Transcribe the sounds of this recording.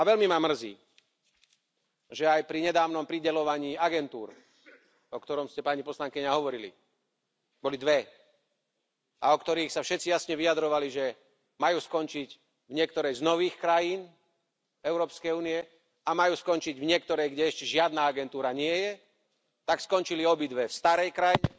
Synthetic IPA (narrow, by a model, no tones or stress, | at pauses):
aʋɛlmimamr̩zḭː | ʒɛajpɾiɲɛd̪aːʋnɔmpɾiɟɛlɔʋaɲiːaɡɛnt̪uːɾ | ɔkt̪ɔɾɔmscɛpaɲipɔslaŋkiɲaɦɔʋɔɾilḭ | bɔlid̪ʋɛ | aɔkt̪ɔɾiːxsafʃɛt̪t͡sijasɲɛʋiad̪ɾɔʋaliʒɛ | majuːskɔnt͡ʃic | vɲɪɛk̚t̪ɔɾɛjznɔʋiːxkɾajiːn | ɛʊɾɔːpskɛjuːniɛ | amajuːskɔnt͡ʃiɟvɲɪɛk̚t̪ɔɾɛjɡɟɛɛʃcɛʒɪad̪naaɡɛnt̪uːɾaɲɪɛjɛ | t̪akskɔnt͡ʃiliɔbid̪ʋɛfst̪aɾɛjkɾajɛ